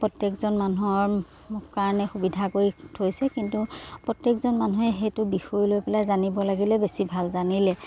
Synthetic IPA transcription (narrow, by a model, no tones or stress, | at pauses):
pɹɔtjekzɔnmanuɔɹ | mʊkkaɹɔnɛxubidʱakoitʰojsɛkintupɹɔtjekzɔnmanuɦɛxejtʊbixojlojpɛlajzanibɔlaɡilɛbesibʱalzanilɛ